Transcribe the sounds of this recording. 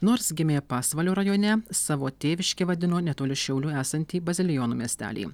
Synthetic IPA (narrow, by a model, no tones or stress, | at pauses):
noːɾsɡʲɪmʲeːpɑːsʋɐlʲoːɾɐjoːnʲɛsɑːʋoːt̪ʲeːʋʲɪʃʲkʲeʋɐd̪ʲɪnoːnʲɛt̪oːlʲɪʃʲɛʊlʲuːæːsɐnʲt̪ʲiːbɐzʲɪlʲɪjɔnuːmʲiɛsʲt̪ʲæ̰ːlʲḭː